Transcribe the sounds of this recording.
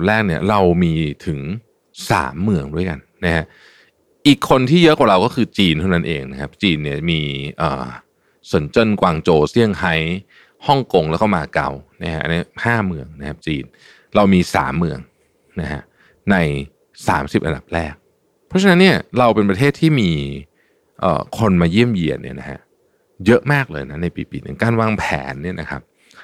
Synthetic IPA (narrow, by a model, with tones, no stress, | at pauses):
p̚ɾɛː˥˩k̚ni˥˩ɐɾa˧wmiː˧t̪ʰɯ˩˦ŋ | sa̰ː˩˦mːɯ˧əŋdu˥˩əjka˧nːa˦˥kʰa˦˥ʔ | ʔiː˨˩kʰːo˧nt̪ʰiː˥˩jɤ˦˥ʔkwaː˨˩ɾa˧wkɔː˥˩kʰɯː˧t͡ɕiː˧nt̪ʰna˦nʔḛː˧ŋna˦˥kʰa˦˥p̚t͡ɕiː˧nːi˥˩ɐmiː˧ʔɤ̰ː˨˩ | su˩˦nt͡ɕɤ˧˥˩nkwaː˧ŋt͡ɕoː˧si˥˩əŋha˦˥j | hɔ˥˩ŋko˧ŋlɛː˦˥wkɔː˥˩maː˧ka̰˧wna˦˥kʰa˦˥ʔa̰˧ni˦˥haː˥˩mɯ˧əŋna˦˥kʰa˦˥p̚t͡ɕḭː˧n | ɾa˧wmiː˧sa̰ː˩˦mːɯ˧əŋ | na˦˥kʰa̰˦˥ʔ | na˧j | sa̰ː˩˦msi˨˩p̚ʔa̰˧nd̪a˨˩p̚ɾɛː˥˩k̚ | pʰɔ˦˥t͡ɕʰa˧na˦˥nːi˥˩ɐɾa˧wpe˧npɾa˧t̪ʰeː˥˩t̪ʰiː˥˩miː˧ | ʔə̰ː˨˩kʰo˧nmaː˧ji˥˩əmji˨˩ənːḭ˦˥˩ɐna˦˥kʰa̰˦˥ʔ | jɤ˦˥ʔmaː˥˩k̚lɤː˧jna˦˥na˧jpiː˨˩pḭ˨˩nɯ˨˩˦ŋkaː˥˩nwaː˧˥˩ŋpʰɛ̰ː˩˦nːi˥˩ɐnʔa̰˦kʰa̰˦˥p̚